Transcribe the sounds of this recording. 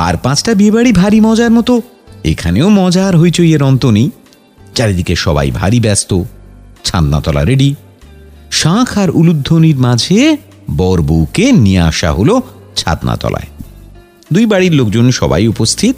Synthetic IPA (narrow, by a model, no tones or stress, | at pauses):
a̰ɾpãt͡ɕʰʈabiebaɽibʱaɾimɔd͡ʑaɾmɔt̪o | ḛkʰaneomɔd͡ʑaɾɦojt͡ɕojeɾɔnt̪oni | d͡ʑaɾed̪ikeʃɔba̰jbʱa̰ɾibɛst̪ot͡ɕʰa̰t̪na̰t̪ɔla̰ɾeɖi | ʃãkʰaɾulud̪ʱːoniɾmad͡ʑʱe | bɔɾbokenia̰ʃa̰ɦolo | t͡ɕʰa̰t̪na̰t̪ɔ̰la̰e | d̪ujbaɽiɾlokd͡ʑonʃɔ̰ba̰jupost̪ʰit̪̚